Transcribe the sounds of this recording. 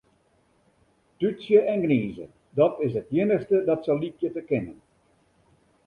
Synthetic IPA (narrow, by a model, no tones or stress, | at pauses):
tytsjəʔɛnɡniːzə̰ | dɔtɪs̬ətjɪnəxstədɔtsɔlitjətəkɪnən